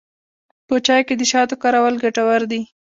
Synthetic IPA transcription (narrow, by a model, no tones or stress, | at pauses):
pət͡ʃɑjked̪əʃɑt̪okɑɾawalɡaʈawaɾd̪i